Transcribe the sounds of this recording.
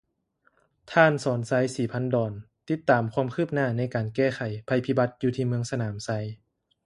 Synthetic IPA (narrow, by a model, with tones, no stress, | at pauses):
t̪ʰaː˧˥˨nsɔː˨˩˦nsa˧˥jsiː˨˩pʰa˧˥˨ndɔː˨˩n | t̪i˦˥t̪ːaː˨˩mkʰwaː˧˥˧mkʰɯː˥˩p̚naː˧˩na˧˥jkaː˨˩nkɛː˧˥˩xʰa˨˩jpʰa˧jpʰi˧˩ba˧˥t̪̚juː˧t̪ʰiː˧mɯ˧əŋsa˧naː˩˦msa˧˥j